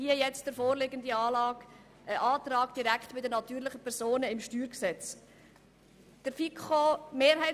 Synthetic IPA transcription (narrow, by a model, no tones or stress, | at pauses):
hiəjɛt͡std̥əɾfoːɾlɪɡəndiɑːlɑːk | ʔəʔɑːtrɑːkd̥iɾækχtb̥ɪdənɑtyːɾlɪχəpʰɛɾzoːnəɪmʃtyːɾksɛt͡s | d̥əɾfikχomeːɾɦɛɪ